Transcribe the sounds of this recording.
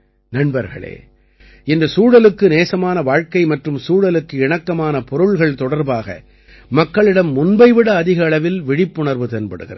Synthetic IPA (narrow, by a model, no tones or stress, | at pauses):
nɐɳbɐɾɣɐ̰ɭḛː | ɪnd̪ɐsuːɽɐlɯkːɯneːsɐmaːnɐʋaːɻkɐɪmɐʈrɯmsuːɽɐlɯkːɯɪɳɐkːɐmaːnɐpɔɾɯɭɣɐɭt̪ɔɽɐɾbaːɣɐ̰ | mɐkːɐɭɪɽɐmːʊnbɐɪʋɪɽɐːðɪɣɐːɭɐʋɪlʋɪɽɪpːʊɳɐɾʋɯt̪ɛnbɐɽɯ̰ɣɪrɐ